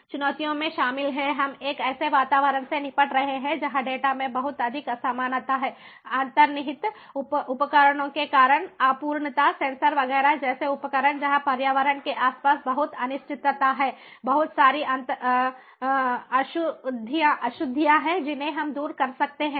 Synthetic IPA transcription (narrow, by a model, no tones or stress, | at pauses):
t͡ʃʊnɔːt̪ijõmẽʃaːmɪlɦɛɦɐmeːkɛːseʋaːt̪aːʋəɾəɳsenɪpəʈɾɐɦeɦɛ̃d͡ʒɐɦãɖeːʈamẽbɐɦʊt̪ɐd̪ʱɪkɐsaːmaːnət̪aɦɛː | ãːnt̪əɾnɪɦɪt̪ | ʊpʊpəkəɾəɽ̃õkekaːɾəɽ̃aːpuːɾɳət̪asɛ̃ːnsəɾʋɐɡɛːɾaɦɛd͡ʒɛːseʊpəkəɾəɳd͡ʒɐɦãpɐɾjaːʋəɾəɳkeʔaːspaːsbɐɦʊt̪ɐnɪʃt͡ʃɪt̪ːət̪aɦɛː | bɐɦʊt̪saːɾiɐ̃nt̪ | ɐʃʊd̪ʱijaʔɐʃʊd̪ʱːijaɦɛd͡ʒɪnɦẽɦɐmd̪uːɾkɐɾsɐk̚t̪eɦɛ̃ː